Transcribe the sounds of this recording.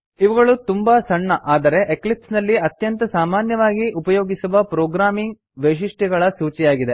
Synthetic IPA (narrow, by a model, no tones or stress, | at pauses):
iʋɐɡɐɭut̪umbɐsɐɳːɐʔaːd̪ɐɾe̞ʔeklipsnɐlːiɐt̪jɐnt̪ɐsaːmaːnjɐʋaːɡiʔupɐjoːɡisuʋɐpɾoːɡɾaːmiŋɡ̚ | ʋeʃiʂʈɛɡɐɭɐsuːt͡ʃijaːɡid̪e